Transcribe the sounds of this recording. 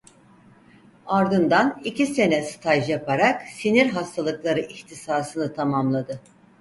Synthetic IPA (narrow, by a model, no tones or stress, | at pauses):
aɾd̪ɯnd̪anicʰise̞nɛsɯ̥t̪ʰaʒjapʰaɾaksiniɾɦast̪ʰalˠɯklˠaɾɯʔiçt̪ʰisaːsɯnɯt̪ʰamamlˠad̪ɯ